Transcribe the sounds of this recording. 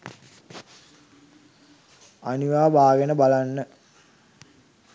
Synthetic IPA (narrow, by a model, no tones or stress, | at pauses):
aniʋaːbʱaːɡenəbalanːə